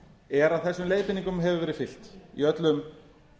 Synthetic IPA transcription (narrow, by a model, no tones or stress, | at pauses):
ɛɾaðθɛsːʏmleːjðpɪniŋkʏmɦɛvʏvɛːɾɪðfɪl̥t̪ḭœt̪lʏm